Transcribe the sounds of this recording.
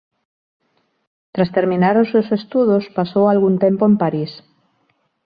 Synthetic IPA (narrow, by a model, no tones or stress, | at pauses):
t̪ɾast̪eɾmĩnaɾosːewsest̪uðospasowalɣunt̪empoempaɾis